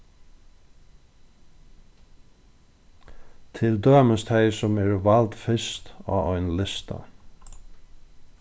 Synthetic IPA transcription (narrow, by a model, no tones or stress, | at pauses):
t̪ʰɪld̪øːməst̪ʰajsʊmɛɹvalt̪fɪst̪a̰ːɔjnlɪst̪a̰